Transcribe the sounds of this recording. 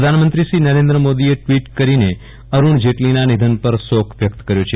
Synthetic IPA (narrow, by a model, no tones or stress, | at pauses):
əd̪ʱanmənt̪ɾiʃɾinəɾẽnd̪ɾəmod̪ieʈʋiʈkəɾine | əɾuɳd͡ʒeʈlinanid̪ʱənpəɾsokʰʋjək̚t̪kəɾjot͡ʃʰe